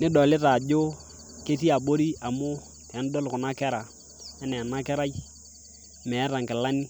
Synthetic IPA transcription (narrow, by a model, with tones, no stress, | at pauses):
nɪ˦dɔ˨lɪ˦ta˨d͡ʒʊ˦ | ke˦s̬i˦a˨bo˦ɾi˦a˨mʊ˦ | tɛ˨˦n˦dɔ˦lkʊ˨na˦kɛ˦ɾa˨ | ɛ˦nɛ˨na˦kɛ˦ɾa˦j | mɛ˨˦ɾa˨ŋkɪ˨la˦ni˦